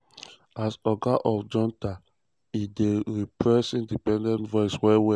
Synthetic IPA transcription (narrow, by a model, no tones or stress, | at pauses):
asɔɡaʔɔfd͡ʒɔ̃nta | ideɹipɹɛsĩndipɛ̃ndɛ̃ntvɔɪswɛwɛ